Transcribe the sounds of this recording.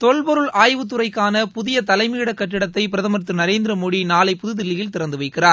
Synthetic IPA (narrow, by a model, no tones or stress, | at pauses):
t̪ɔɭpɐɾɯɭʔaːjʋɯt̪ːɯrɐɪkːaːnɐpʊðɪjɐt̪ɐlɐɪmiːɽɐkːɐʈːɪɽɐt̪ːɐɪpɪɾɐðɐmɐɾt̪ːɯnɐɾeːnd̪ɪɾɐmoːɽinaːlɐɪpʊðɯðɪlːɪjɪlt̪ɪɾɐnd̪ɯʋɐɪkːɪraːɾ